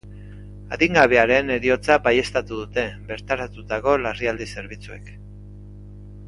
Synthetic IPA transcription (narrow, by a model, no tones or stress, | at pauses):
a̰ðiŋɡaβe̞aɾe̞ne̞ɾio̞t͡sabaje̞st̪at̪uðut̪e̞be̞ɾt̪aɾat̪ut̪ako̞lariald̪ise̞ɾβ̞it͡sue̞k